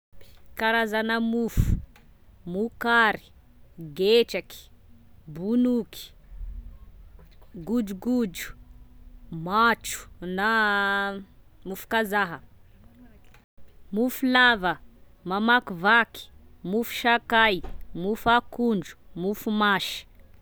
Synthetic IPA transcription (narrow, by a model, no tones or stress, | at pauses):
kaɾazanamufu̥ | mukaɾi̥ | ɡeʈ͡ʂaki̥bunuki̥ | ɡud͡ʒuɡud͡ʒu̥ | maʈ͡ʂu̥na | mufu̥kazaɦə | mufulavə | mamakuvaki̥mufu̥ʃakajmufakuɳɖ͡ʐu̥mufumaʃi̥